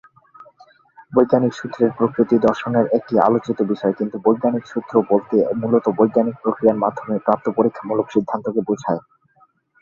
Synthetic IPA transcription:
bojɡːanikʃut̪ːɾeɾpɾokɾit̪id̪ɔɾʃoneɾek̚ʈia̰lot͡ɕit̪obiʃɔekint̪ubojɡːanikʃud̪̥ʰʱːɾobolt̪emulot̪obojɡanik̚pɾokɾijaɾmad̪ʱːomepɾap̚t̪ːopoɾikʰːamulokʃid̪ʱːant̪okebod͡ʑʱae

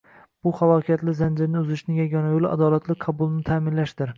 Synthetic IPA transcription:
b̥ʊχalˠɒkʲʰat̪lɪzand͡ʒɪɾnɪʊzɪʃnɪŋjaɡʲɒnajolˠa̰d̪ɒlat̪ʰlɪqʰɑbʊlˠnɪt̪ʰamɪnlaʃd̪ɪɾ

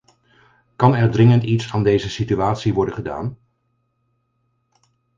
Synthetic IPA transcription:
kɑnɛɹdrɪŋəntitsaːndejzəsityaːtsiʋɔɹdəχəda̰ːn

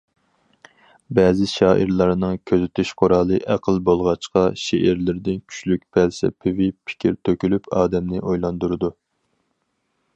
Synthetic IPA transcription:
bɛːzɪʃɑːʔiɾlˠɑɾnɨŋkʲʰøzɪt̪ʰyʃqʰʊɾɑːlˠɨʔæqʰəlˠbolˠʁɑt͡ʃqɑʃeʔæɾlɪɾd̪ɪnkʲʰy̥t͡ʃlyk̚ʲpʰælsɛ̰pʰɪvɪpʰi̥kʲʰiɾt̪ʰøkʲylypʰɑːd̪ɛmnɪʔojlˠɑnd̪uɾɨd̪u

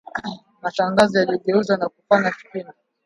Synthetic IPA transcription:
maʃaŋɡazɔjaliɔɠɛuzanakufaɲafi̥kina

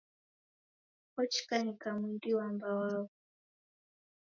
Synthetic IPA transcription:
ɔt͡ʃi̥kanikamindiwambawau

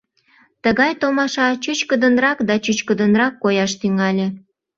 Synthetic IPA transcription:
t̪əɣɑjt̪omɑʃɑt͡ɕyt͡ɕkəd̪ənrɑkd̪ɑt͡ɕyt͡ɕkəd̪ənrɑkːojɑʃt̪yŋɑlʲe

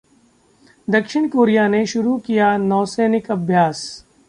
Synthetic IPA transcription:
d̪ɐkʃɪɽ̃koːɾijaneʃʊɾukijanɔːseːnɪkɐbʱjaːs

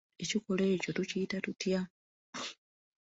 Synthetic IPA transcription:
e̞cikole̞ːco̞tuciːtatutja

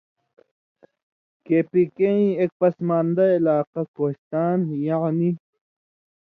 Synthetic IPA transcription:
keːpikeĩek̚pɐsmaːnd̪ɐilaːqɐkoːɕt̪aːnjaʕni

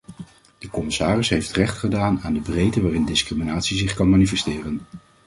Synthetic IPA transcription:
d̥əkɔmɪsaːrɪsɦejftrɛχtχədaːnaːndəbrejdəʋaːrɪndɪskriminaːtsizɪχkɑnmaːnifɛstɪːrən

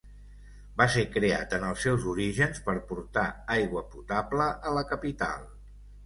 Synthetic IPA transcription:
basekɾea̰t̪ənəlˠsːɛwzuɾiʒənspəɾpuɾt̪aajɣwəput̪abləʔələkəpit̪a̰lˠ

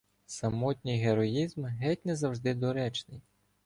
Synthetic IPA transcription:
sɐmɔtʲnʲijɦeɾɔjizmɦɛtʲnɛzɐwʒd̪ɪd̪ɔɾɛt͡ʃnɪj

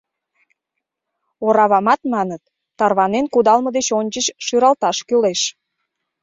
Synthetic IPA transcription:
oɾɑβɑmɑt̪mɑnət̪ː | ɑrβɑnenkud̪ɑlməd̪et͡ɕonʲt͡ɕət͡ɕʃyɾɑlt̪ɑʃkyleʃ

